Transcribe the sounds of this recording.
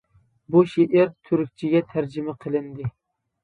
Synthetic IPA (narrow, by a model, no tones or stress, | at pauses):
buʃeʔɪɾt̪ʰʊɾyk̚ʲt͡ʃʰɪɡʲɛt̪ʰæɾd͡ʒɪmæqʰəlˠɪnd̪ɪ